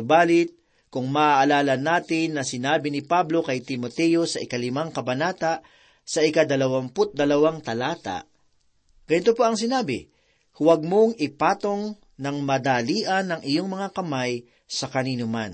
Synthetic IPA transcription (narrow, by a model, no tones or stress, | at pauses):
baːlɪt̪̚ | kʊŋmɐʔaʔɐlaːlɐnaːt̪ɪnːɐsɪnaːbɪnɪpablo̞kɐjt̪ɪmot̪ɛjo̞sɐʔɪkɐlɪmaŋkɐbɐnaːt̪aʔ | sɐʔɪkad̪ɐlɐwɐmpʊt̪̚d̪ɐlɐwaŋt̪ɐlaːt̪a̰ʔ | ɡ̥ɐnɪt̪opoʔɐŋs̬ɪnaːbɪ | hwɐɡ̚moŋʔɪpaːt̪o̞ŋ | nɐŋmɐd̪aliːʔɐnːɐŋɪjoŋmɐŋakɐmaj | sɐkɐniːnʊman